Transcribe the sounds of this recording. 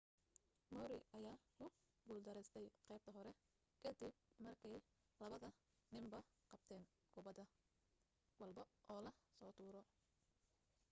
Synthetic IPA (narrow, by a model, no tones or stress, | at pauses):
mɔːɾɪʔɐjaːkʊ | ɡuːld̪ɐɾɛst̪ʰɛjqɛjb̚t̪ʰɐɦɔɾɛ | kʰɐd̪ɪb̚mɐrkʰɛj | lɐβɐðɐ | nɪmbɐqɑb̚t̪ʰɛːŋ | kʰʊβɐd̪ɐ | wɐlbɐʔɔːlɐsɔːt̪ʰuːɾɔ